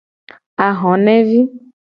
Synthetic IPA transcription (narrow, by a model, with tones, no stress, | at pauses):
a˨ɦɔ̃˨nɛ̃˦vi˦